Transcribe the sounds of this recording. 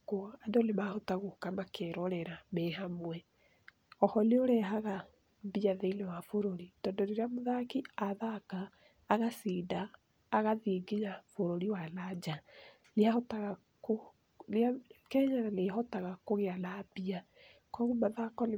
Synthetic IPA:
koandolemahɔtaɣokamakʰɛɾɔɾɛɾamɛɦamwɛ | ɔhɔneoɾɛɦaɣa | biaðeilɛwafoɾoɾitɔːndɔɾeɾeamoðakiaðakaː | ɣasiːdaː | ɣaðieɡeɲafoɾoɾiwalad͡ʑa | leahɔtaɣa | ko | leakɛɲaɾaleɦɔtaɣakoɣealabia | kɔɣomaðakɔle

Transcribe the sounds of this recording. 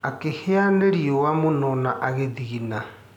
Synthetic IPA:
akeheaneɾiɔwamonɔnaʔaɣeðiɣina

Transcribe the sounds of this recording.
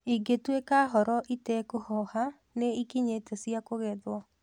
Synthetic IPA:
iɡetwekaːɦɔɾɔʔitɛkohɔha | neikiɲetesiakoɣɛðwɔ

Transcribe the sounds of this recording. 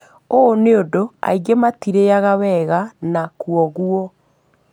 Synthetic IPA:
oneodoa̰iɡematiɾeaɣawɛɣanakwɔɣuɔ

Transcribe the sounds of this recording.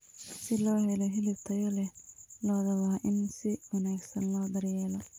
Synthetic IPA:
sɪlɔːhɛlɔɦɪlɪbt̪ʰɐjɔlɛlɔːðɐwɑːʔɪnsɪwɐnaːɡsɐnlɔːd̪ɐrjɛːlɔ

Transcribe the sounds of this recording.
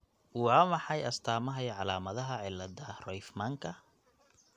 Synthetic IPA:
wʕɑmɑħɑjɐst̪ʰaːmɐɦɐjʕɑlaːmɐðɐɦɐʕɪlːɐd̪ɐrɔjfmaŋkʰɐ

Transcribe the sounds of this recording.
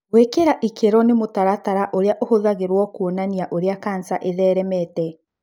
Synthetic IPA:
wekeɾaʔikʰeɾɔnemotaɾataɾaʔoɾeaʔohoðaɣeɾwɔkuonaniaʔoɾeakansaʔeðɛːɾɛmɛtɛ

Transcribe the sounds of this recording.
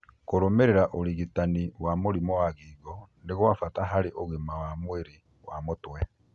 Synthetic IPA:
koɾomeɾɛɾaʔoliɣitaniwamoɾimɔwaɣiɡɔndeɣoafataɦaɾeʔoɣimawamweɾi | wamotwɛ

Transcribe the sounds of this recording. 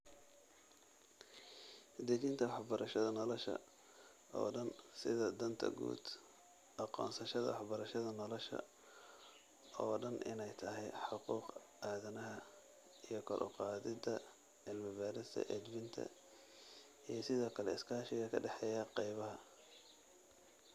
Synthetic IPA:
d̪ɛɣɪnt̪ʰɐwɑħbɐɾɐʃɐðɐnɔlɔʃɐ̰ | ɔ̰ːɖɐnsɪðɐd̪ɐnt̪ʰɐ̰ɡṵːd̪ | ʔɑqɔ̰ːnsɐʃɐðɐ̰wɑħbɐɾɐʃɐðɐnɔlɔʃɐ̰ | ɔːɖɐnʔɪ̰nɛjt̪ʰɐɦɛjħɑquːq | ʔaːðɐnɐɦɐ | ijɞkʰɔɾʔʊ̰qɑːðɪd̪ɐ | ɪlmɪbaːɾɪst̪ʰɐ̰ʔɛd̪bɪnt̪ʰɐ̰ | ijɞsɪðɔːkʰɐlɛɪskʰaːʃɪɣɐkʰɐɖɛħɛːjɐqɑjβɐɦɐ

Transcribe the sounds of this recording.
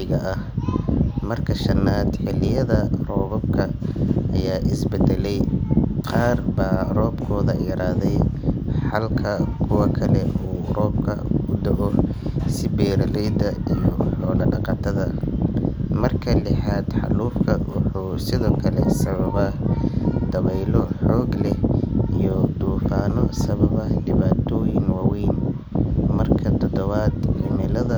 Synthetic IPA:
ɪɣɐʔɐh | mɐrkʰɐʃɐnaːd̪ħɪlɪjɐðɐrɔːβɐb̚kʰɐʔɐjaːʔɪsbɛd̪ɛlɛjqɑːrbaːrɔːbkʰɔːðɐɾaːðɛjħɑlkʰɐkʰʊwɑkʰɐlɛʔuːrɔːbkʰɐ̰ʊd̪ɐʔɔsɪbɛːɾɐlɛjd̪ɐijɔħɔːlɐɖɑqɑt̪ʰɐðɐ | mɐrkʰɐlɪħaːd̪ħɑ̰luːfkʰɐwʊħuːsɪðɔːkʰɐlɛsɐβɐβɐ | d̪̥ɐβɛjlɔħɔːɡlɛhijɔd̪uːfaːnɔsɐβɐβɐdɪβaːt̪ʰɔːjɪŋwaːwɛjn | mɐrkʰɐt̪ʰɔd̪ɔβaːd̪ʊmɪlɐðɐ

